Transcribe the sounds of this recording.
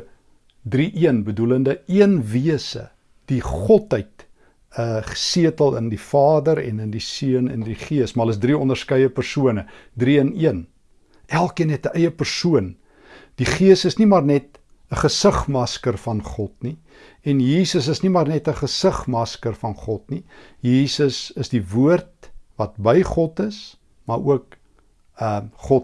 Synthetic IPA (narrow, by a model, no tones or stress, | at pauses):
driʔiənbəduləndəiənviəsə̰ | d̥iχɔtəjt | əsiətəlˠəndifɑːdəɾɛ̰nəndisiənə̰ndiχiəsmɐɦələsdriɔnərskəjəpərsuənədriəniən | ʔælˠkiənɦɛtəʔɛjəpərsuən | d̥iχiəsəsnimɑrnɛt̚ | əχəsəχmɐskərfɐnχɔtni | ɛnjiːsəs̬əsnimɑːrnɛtəχəsəχmɐskərfɐnχɔtni | jiːsəsəsdivuərt̚vɐt̚bəjχɔtəs | mɑɾuək̚ | əχɔt